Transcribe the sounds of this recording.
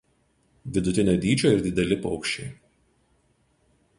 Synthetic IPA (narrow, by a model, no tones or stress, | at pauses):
ʋʲɪd̪ʊt̪ʲɪnʲoːd̪ʲiːd͡ʒʲoːɪɾd̪ʲɪd̪ʲɛlʲɪpɔʊkʃʲt͡ʃʲɛɪ